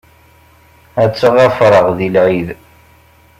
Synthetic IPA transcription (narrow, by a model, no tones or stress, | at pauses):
æt͡sːəʁæfɾˤəʁðilʕið